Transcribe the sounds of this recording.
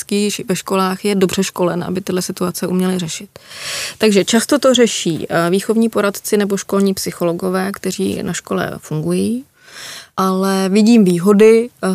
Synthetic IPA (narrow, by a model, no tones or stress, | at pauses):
kiːvɛʃko̞laːxjɛdobr̝ɛʃko̞lɛnʔa̰bɪt̪ɪdlɛsɪt̪uat͡sɛʔumɲɛlɪrɛʃɪt̪ːaɡʒɛt͡ʃast̪o̞t̪o̞rɛʃḭːviːxo̞vɲiːpo̞ɾat̪t͡sɪnɛboʃko̞lɲiːpsɪxo̞lo̞ɡo̞vɛːkt̪ɛr̝ḭːnʔaʃko̞lɛ̰fuŋɡujiː | ʔalɛvɪɟiːmviːɦo̞dɪ